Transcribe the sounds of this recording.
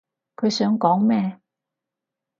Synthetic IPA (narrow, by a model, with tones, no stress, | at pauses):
kʰɵ˨˧˥sœ˨˥ŋkɔ˨˥ŋmɛ˥˧˨